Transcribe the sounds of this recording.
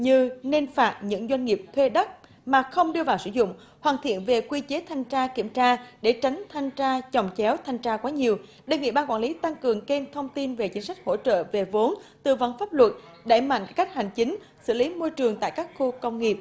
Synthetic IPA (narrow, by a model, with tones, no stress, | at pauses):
ɲɨ˧ne˧nfaː˨˩t̚ɲɨ̰˧˥ŋzwa˧jŋ̟ŋi˨˩əp̚t̪ʰwe˧ɗə˦˥t̚ | maː˨˩xə˧wŋ͡mɗɨ˧əvaː˨˩wsɨ̰˧˩zʊ̰˧˨ŋ͡m | hwaː˨˩nt̪ʰḭ˧˨ənve˨˩kwi˧t͡ɕe˨˦t̪ʰa˧jŋ̟t͡ɕaː˧kḭ˧˩əmt͡ɕaː˧ɗe˧˩t͡ɕa˨˦jŋ̟t̪ʰa˧jŋ̟t͡ɕaː˧t͡ɕɔ˨˩wŋ͡mt͡ɕɛ˨˦wt̪ʰa˧jŋ̟t͡ɕaː˧kwaː˨˦ɲi˨˩əw | ɗe˧˩nŋḭ˧˨ɓaː˧nkwa̰ː˧˨nli˨˦t̪a˧ŋkɨ˨˩əŋke˧nt̪ʰə˧wŋ͡mt̪i˧nve˨˩t͡ɕi˨˦ŋ̟sa˦˥jk̟̚ho̰˧˥t͡ɕə̰ː˧˨ve˨˩vo˨˦nt̪ɨ˨˩və˧˩nfaː˦˥p̚lwə˨˩t̚ | ɗa̰˧˩jma̰˧˨jŋ˨kːa˦˥jk̚ha˨˩jŋ̟t͡ɕï˨˦ŋ̟ | sɨ̰˧˩li˨˦mo˧jt͡ɕɨ˨˩əŋt̪a̰ː˧˨jkaː˦˥kxo˧kə˧wŋ͡mŋi˨˩əp̚